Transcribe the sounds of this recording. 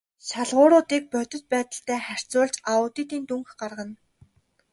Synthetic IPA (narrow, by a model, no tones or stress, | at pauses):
ɕaɮʁʊːɾʊːt̪iːk̚pœt̪ʲɵ̆t̪̚pæːt̪ə̆ɬt̪æːχær̥t͡sʊːɮt͡ɕaʊːt̪iːt̪iːnt̪uŋxɢarʁə̆n